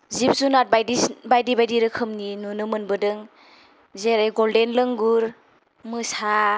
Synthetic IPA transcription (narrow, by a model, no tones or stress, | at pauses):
zip̚zunat̚bajdibajdibajdiɾɯkʰɯmninunɯmɯnbɯdɯŋ | zeɾajɡɔldenlɯŋɡuɾ | mɯsa